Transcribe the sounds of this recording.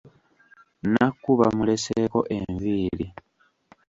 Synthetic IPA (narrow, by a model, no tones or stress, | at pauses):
nakːuβamule̞seko̞ʔe̞ɱviːli